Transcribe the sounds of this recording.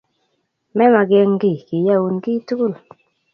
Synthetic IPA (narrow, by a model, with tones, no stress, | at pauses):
mɛ˦ma˨ɡɛ˧ŋɡi˦˨ki˨ja˦˨wu˨nɡi˦tu˦ku˦l